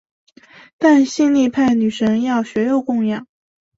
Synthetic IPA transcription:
t̪a˥˧nɕi˥˧nli˥˧pʰa˥˩ɪny˨˩ʂɤ˧˥ŋjɑ˥˩ʊɕɥɛ˧˥jo˨˧ʊkʊ˥˧ŋjɑ˥˩ŋ

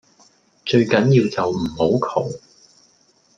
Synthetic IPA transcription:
t͡ʃɵ˧ɥkɐ˨˥njiː˧wt͡sɐ˨wm̩˨˩ho˨˥wkʰo˨˩w

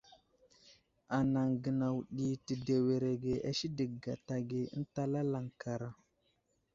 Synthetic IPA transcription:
a˨na˨ŋɡə˨na˨wɗi˨ti˨de˨we˨ɾe˨ɡe˨ʔa̰˦ʃi˦də˨kɡa˨ta˨ɡe˨ə̰˦n˦ta˦la˦la˨ŋka˨ɾa˨

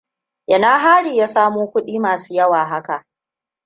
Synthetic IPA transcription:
ʔɪ˨naː˦ɦaː˦ɽiː˨jaː˦saː˦moː˦kʷʊ˦ɗiː˦maː˨suː˦jɐ˦waː˨ɦa˦ka˨ʔ

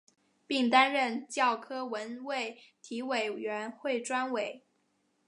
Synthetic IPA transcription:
pi˥˩ŋt̪a˥nɻə˥˧nt͡ɕjɑ˥˩ʊkʰɤ˥wə˧˥nwe˥˩ɪt̪ʰi˧˥we˨˩ɪɥɛ˧˥nxwe˥˩ɪʈ͡ʂwa˥nwe˨˩˦ɪ

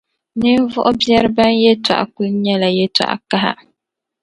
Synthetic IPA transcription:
nɨ˦n˦vʊ˦ʔʊ˦bjɛ˦ɾɨ˦ba˦njɛ˦ta̰˨ʔa̰˨kʊ˦lɲɛ˦la˨jɛ˦ta̰˨ʔka˦ɦa̰˦

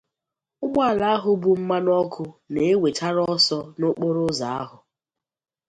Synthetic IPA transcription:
ʊ˦ɡ͡bʷa˦˨la˨˦a˦ɦʊ˦bu˦m̩˦ma˦nɔ˦kʰʊ˦ne˨e˦we˨t͡ʃa˦ɾɔ˦sɔ˦nʊ˦k͡po˦ɾʊ˦za˨a˦ɦʊ˨

